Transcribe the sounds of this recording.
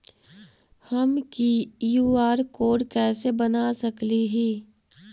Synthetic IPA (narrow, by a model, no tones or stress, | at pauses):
hɐmkijuːaːɾkoːɖkɛːsebɐnasɐkliɦiː